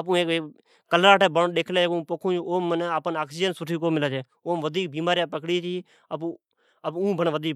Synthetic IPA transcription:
əp̬ũːeːkː | kəlɾaːʈeːbənɗeːkʰleːekũːpoːkʰũːt͡ʃʰuoːmːəneaːpənaːksiːd͡ʒənsʊʈʰiːkoːmɪlaːd͡ʒeː | oːmʋəd̪ʱiːk̚biːmaːɾjãːpəkɽiːt͡ʃʰiː | əpː | əpũːbʱəɳʋəd̪ʱiːk

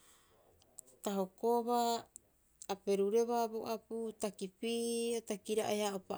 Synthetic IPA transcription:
taɦokoβaː | pe̞ɾuɾe̞βaboʔaputakipiotakiɾaʔajhaopa

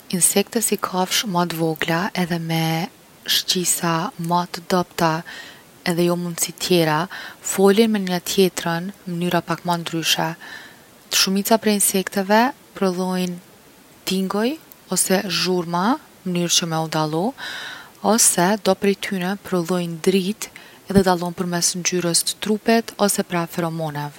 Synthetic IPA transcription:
insɛk̚t̪ɛsikʰafʃmat̪vɔɡlaʔɛðɛmɛ | ʃcisamat̪d̪apt̪a | ɛðɛjɔmund̪sit̪ʰjɛɾafɔlinmɛnɲət̪ʰjɛt̪ɾənmənyɾapakmand̪ɾyʃɛ | t̪ə̥ʃumit͡sapɾɛinsɛkt̪ɛvɛ | pɾɔðɔjn | t̪iŋɡɔj | ɔsɛʒuɾma | mənyɾt͡ɕəmɛud̪alˠɔ | ɔsɛd̪ɔpɾɛjt̪ʰynɛpɾɔðɔjnd̪ɾit̪ | ɛðɛd̪alˠɔnpəɾmɛsnd͡ʑyɾəst̪ə̥t̪ɾupɛt̪ɔsɛpɾafɛɾɔmɔnɛv

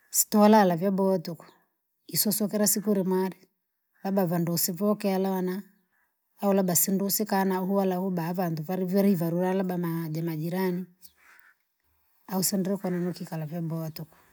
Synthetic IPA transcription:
si̥tɔwalalavjabɔtukɔ̥ | isɔsɔkɛɾasikuɾimwaɾi | labavandusivɔkɛalawanaː | ulabasindusikanahuwalahubavanduvaɾivjɔɾɛivaɾuɾalabamad͡ʒamad͡ʒiɾani | ausɛndɛɾɛkananɔkikalavjabɔtukɔ̥

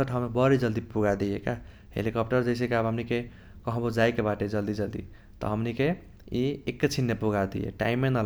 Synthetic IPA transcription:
əʈʰawmebʌɾid͡ʒʌld̪ipuɡad̪ijeka | hḛlikɔpʈʌɾd͡ʒʌjs̬ẽkeabɦəmnike | kʌɦbod͡ʒajkebaʈed͡ʒʌld̪id͡ʒʌld̪ḭ | t̪ʌ̰ɦʌmnike | iekːet͡ʃʰinːepuɡad̪ḭjḛʈa̰imːenʌl

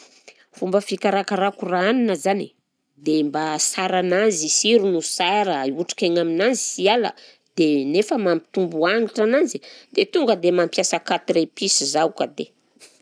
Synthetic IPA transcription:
fumbəfikaɾakaɾakuraaninəzani | d̪embasaɾanazisiɾunusaɾəuʈ͡ʂḁkaɲaminanzisialə̰ | d̪̥enefəmampi̥t̪umbuaŋiʈ͡ʂananzid̪et̪uŋɡəd̪emampjasakat̪iɾepisizaukəd̪e

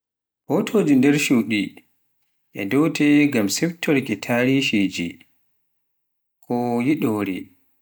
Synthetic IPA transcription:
hotʰoːd͡ʒindɛɾʃuɗi | ʔɛ̰dɔwtʰɛɡamsɛftʰːɔɾkitʰaɾiʃid͡ʒḭ | kʰɔjiɗoːɾḭ

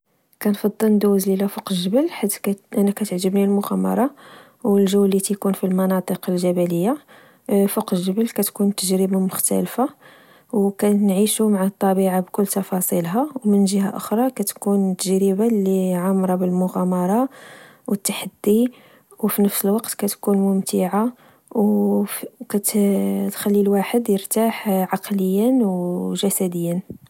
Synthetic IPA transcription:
kænfɑd̪ˤːəlnd̪uzlilæfoqʒəbəlħat̪ːkʔænækæt̪əʕʒəbnilmʊɣæmɑ̰ɾˤɑ | wəlʒəwlːit̪kunfilmɑnɑt̪ˤəqəlʒæbæləjːa | foqʒəbəlkæt̪kunt̪əʒɾəbamʊxt̪æ̰lfa | wkænʕiʃumaʕat̪ˤːɑbiʕabkʊlːt̪ɑfɑsˤilɦɑwmənʒəha̰ʔʊxɾˤɑkæt̪kunt̪ːəʒɾəbaliʕamɾˤɑbəlmʊɣɑmɑɾˤɑ | wət̪ːaħad̪ːi | wfinəfsəlwɑqt̪kæt̪kunmʊmt̪iʕa | w | kæt̪t̪xælːilwaħəd̪jəɾt̪aħʕɑqləjːənwʒæsæd̪əjːən

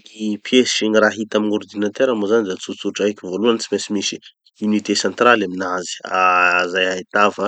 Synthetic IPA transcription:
kipʰjesʃiniraɦit̪aminord̪inat̪eɾamozanid̪at͡sut͡suʈ͡ʂaakʲivoluant͡simesimisi | unit̪esant̪ɾalaminazi̥azajait̪avə

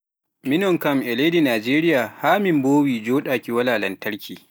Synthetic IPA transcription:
mɪnɔŋkɐmʔɛleːdinaːd͡ʒeːɾɪjaːhaːmɪmboːwiːd͡ʒoːɗaːkʲiwɐlaːlɐntɐɽkʲʰiː

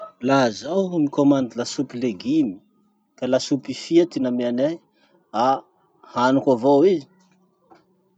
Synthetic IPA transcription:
lazawmikomand̪ilasupileɡimi̥ | kalasupifiat̪inameane | a | hanukavowizi̥

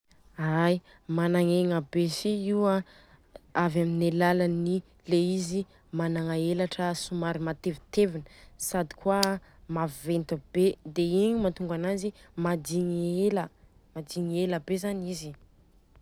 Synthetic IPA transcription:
aj | manaŋeŋəbesiiwa | avaminelalani | leizi | manaŋaelaʈ͡ʂəsumaɾimat̪evit̪evinəsad̪i̥kwamavent̪ubed̪eiɲimat̪uŋɡanazimad̪iŋielə | mad̪iŋieləbezanizi

